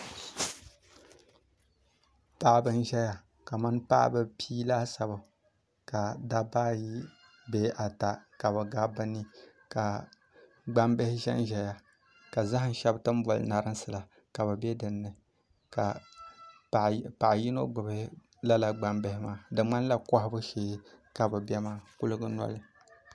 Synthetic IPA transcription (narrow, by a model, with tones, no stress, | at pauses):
pa˦bɨ˦n˦ʒɛ˦ja˨ | ka˨ma˦npa̰˦ʔbɨ˨pʰiː˦laː˦sa˨bɨ˨ | ka˨da˦baː˦ji˦ | be˨˦ʔa˨ta˨ka˨bɨ˨ɡa˦bɨ˦ni˦ | ka˨ | ɡ͡ba˦mbɛ˦hɪ˦ʒɛ̰˦n˦ʒɛ˨ja˨ | ka˨za˦ɦɨ˦n˦ʃɛ˦btɨ˦m˦bɔ˨lɨ̰˨na˨ɾɨ˦nsɨ˨la˨ | ka˨βɨ˨bɛ˦dɨ˨nːɨ˨ | ka˨ | pa˨ʔji˦no˦ɡ͡bɨ˨bɪ˦ | la˦la˨ɡ͡ba˨mbe˦hɪ˦maː˦dɨ˨ŋ͡ma˦n˦la˦kɔ˦hɪ˦bɨ˦ʃeː˦ka˨bɨ˨bɛ˦maː˦ku˦lɨ˦ɡɨ˦na̰˦lɨ˦